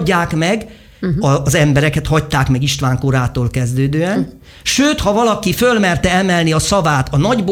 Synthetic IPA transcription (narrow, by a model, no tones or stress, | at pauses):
ɟːaːkmɛɡ | ɒzɛmbɛɾɛkɛt̪hɒc̚t̪aːkmɛɡiʃt̪ʋaːŋkoɾaːt̪oːlkɛzd̪øːd̪øːɛn | ʃøːt̪hɒvɒlɒkifølmɛrt̪ɛɛmɛlniɒsɒvaːt̪ɒnɒɟb